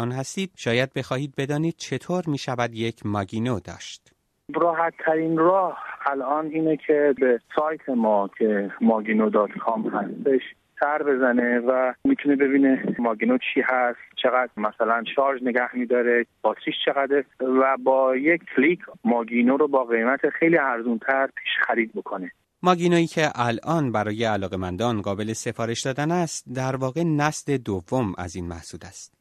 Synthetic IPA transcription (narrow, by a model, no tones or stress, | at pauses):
ɒːnhæst̪iːd̪̥̚ʃɒːjæd̪̚be̞xɒːhiːd̪̚be̞d̪ɒːniːd̪̥̚t͡ʃʰe̞t̪ʰoːɾmiːʃævæd̪jecʰmɒːɟiːnod̪ɒ̰ːʃt̪ | ɾɒːɦæt̪ʰːæɾiːnɾɒːhælʔɒːniːnecʰe̞besɒːjt̪ʰemɒːcʰemɒːɡinod̪ɒːt̪kʰɒmhæst̪e̞ʃ | sæɾbe̞zænevæmit̪ʰunebe̞biːnemɒːɡinot͡ʃʰiːhæst̪t͡ʃʰeɣæd̪̥mæsælænʃɒːɾd͡ʒneɡæhmid̪ɒːɾeb̥ɒːt̪ɾiʃt͡ʃʰe̞ɣæd̪evæbɒːjekʰkʰːlikʰmɒːɡinoɾobɒːɣe̞jmæt̪ʰexejliːæɾzunt̪ʰæɾpʰi̥ːʃxæɾiːd̪̚bokʰone | mɒɟinoiːcʰe̞ʔælʔɒːnbæɾɒːjeælɒːɣe̞mænd̪ɒːnɢɒːbe̞le̞se̞fɒːɾe̞ʃd̪ɒːd̪ænæst̪̚d̪æɾvɒːɣe̞næsd̪e̞d̪ovːomæ̰ziːnmæhsuːd̪æst̪